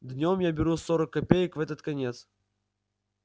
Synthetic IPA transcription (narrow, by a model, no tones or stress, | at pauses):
d̪nʲomjabʲɪɾusoɾəkːɐpʲejəkvɛt̪ət̪kɐnʲet̪s